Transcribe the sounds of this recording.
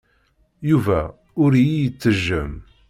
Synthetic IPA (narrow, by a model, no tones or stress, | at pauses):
juvæ | ʊɾjijət͡sːəʒːəm